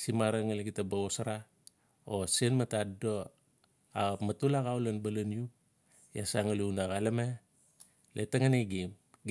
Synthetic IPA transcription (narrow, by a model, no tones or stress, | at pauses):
simaɾaŋaleɡitabaosaɾa | osenmatado | amatulaɡawlanbalanju | jasaŋalunaɣaleme | lʔetaŋaniɡim | ɡ